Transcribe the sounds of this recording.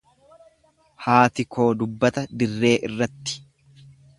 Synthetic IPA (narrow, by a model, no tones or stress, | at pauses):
haːt̪ɪkʰo̞ːd̪ʊbːɐt̪ɐd̪ɪrːe̞ːʔɪrːɐt̪ːɪ̥